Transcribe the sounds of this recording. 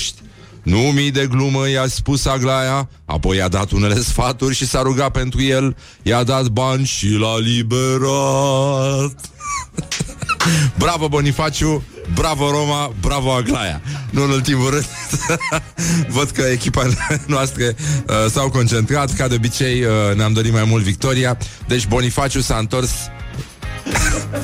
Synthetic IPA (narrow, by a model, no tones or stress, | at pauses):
ʃt̪ʲ | numid̪e̞ɡluməjaspusaɡlaja | a̰po̞jad̪a̰t̪une̞le̞sfat̪urʲʃisaɾuɡape̞nt̪ɾujel | jad̪at̪banʲʃilalibeɾa | t̪ | bɾavəbonifat͡ʃubɾavəɾo̞mabɾavəaɡlaja̰nuɨnult̪imulɾɨnd̪ | vəd̪kəekʲipanoast̪ɾeəsawko̞nt͡ʃe̞nt̪ɾat̪kad̪eo̞bit͡ʃe̞jəneamd̪o̞ɾit̪majmult̪vik̚t̪o̞ɾiad̪e̞t͡ʃʲbo̞nifat͡ʃusaɨnt̪o̞rs